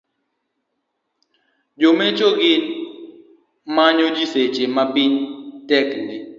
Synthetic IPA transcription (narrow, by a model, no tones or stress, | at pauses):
d͡ʒomet͡ʃoɡɪn | maɲod͡ʒiset͡ʃemapɪɲtɛkndɪ